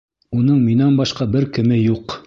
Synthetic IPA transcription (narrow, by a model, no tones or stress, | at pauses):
unɤɴminænbɑʃqɑbɘɾkɘ̆mɘjuq